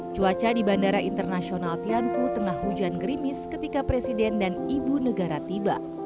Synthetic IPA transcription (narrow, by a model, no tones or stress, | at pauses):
t͡ʃuat͡ʃadibandaɾaʔint̪ərnasionalt̪ianfut̪əŋahːud͡ʒanɡəɾimɪskət̪ikapɾesidɛndanibunəɡaɾat̪iba̰ʔ